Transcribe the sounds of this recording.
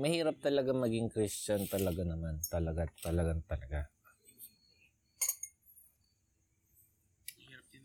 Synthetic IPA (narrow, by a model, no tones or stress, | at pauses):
mɐhiːɾɐp̚t̪ɐlɐɡaŋmɐɡɪŋkɾɪst͡ʃant̪ɐlɐɡanɐmant̪ɐlɐɡat̪ɐlɐɡaŋt̪ɐlɐɡa